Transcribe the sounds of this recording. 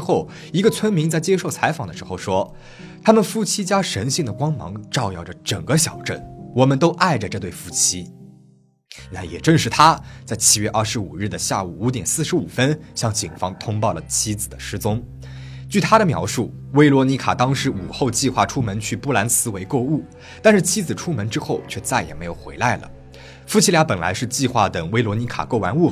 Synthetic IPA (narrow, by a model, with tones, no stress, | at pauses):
xo˥˩ʊ | i˧˥ɡə˧t͡sʰwə˥nmi˧˥ŋt͡sa˥˩ɪt͡ɕjɛ˥ʂo˥˩ʊt͡sʰa˧˥ɪfɑ˨˩ŋd̪ə˦ʂɻ̩˧˥xo˥˧˩ʊʂwɔ˥ | t̪ʰa˥mə˨nfu˥t͡ɕʰi˥t͡ɕja˥ʂə˧˥nɕi˥˩ŋd̪ə˩kwɑ˥ŋmɑ̰˧˥ŋʈ͡ʂɑ˥˧ʊjɑ˥˩ʊʈ͡ʂə˩ʈ͡ʂə˨˩ŋɡə˦ɕjɑ˨˩ʊʈ͡ʂə˥˩nwɔ˨˩mə˦nt̪o˥ʊʔa˥˩ɪʈ͡ʂə˩ʈ͡ʂɤ˥˧t̪we˥˩ɪfu˥t͡ɕʰi˥ | na˥˩jɛ˨˩ʈ͡ʂə˥˧ŋʂɻ̩˥˩t̪ʰa˥t͡sa˥˩ɪt͡ɕʰi˥ɥɛ˥˧ʔɐ˞˥˩ʂɻ̩˧˥u˨˩ɻɻ̩˥˩d̪ə˩ɕja̰˥˩u˨˩u˧˥t̪jɛ˨˩nsɹ̩˥˩ʂɻ̩˧˥u˨˩fə˥nɕjɑ˥˧ŋt͡ɕi˨˩ŋfɑ˥ŋt̪ʰʊ˥ŋpɑ˥˩ʊlə˩t͡ɕʰi˥d͡zɹ̩˨˩d̪ə˦ʂɻ̩˥t͡sʊ˥ŋ | t͡ɕy˥˩t̪ʰa˥ɾə˨mjɑ̰˧˥ʊʂu˥˩ | we˥ɪlwɔ˧˥ni˧˥kʰa̰˨˩t̪ɑ˥ŋʂɻ̩˧˥u˨˩xo˥˧ʊt͡ɕi˥˧xwa˥˩ʈ͡ʂʰu˥mə˧˥nt͡ɕʰy˥˧pu˥˩la˧˥nsɹ̩˧˥we˧˥ɪko˥˧ʊu˥˩ | t̪a˥˧nʂɻ̩˥˩t͡ɕʰi˥d͡zɹ̩˨˩ʈ͡ʂʰu˥mə˧˥nʈ͡ʂɻ̩˥xo˥˩ʊt͡ɕʰɥɛ˥˧t͡sa˥˩ɪjɛ˨˩me˧˥ɪjo˨˩xwe˧˥ɪla˥˩ɪlə̰˩ | fu˥t͡ɕʰi˥lja˧˥pə˨˩nla̰˧˥ɪʂɻ̩˥˧t͡ɕi˥˧xwa˥˩t̪ə˨˩ŋwe˥ɪlwɔ˧˥ni˧˥kʰa̰˨˩ko˥˩ʊwa˧˥nu˥˩